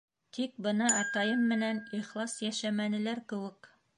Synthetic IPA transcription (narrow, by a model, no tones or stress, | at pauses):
t̪ʰik̚bɤ̆nɑæt̪ɑjɤmːɘ̆næniχlˠɑsjæʃæmænɘ̆læɾkɘ̆wɘk